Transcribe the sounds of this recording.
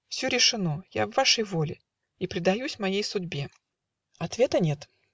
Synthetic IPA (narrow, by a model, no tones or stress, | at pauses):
fsʲɵɾʲɪʂɨnojavːaʂəjvolʲɪ | ipɾʲɪd̪ɐjusʲmɐjejsʊdʲbʲe̞ | ɐt̪vʲe̞t̪ənʲe̞t̪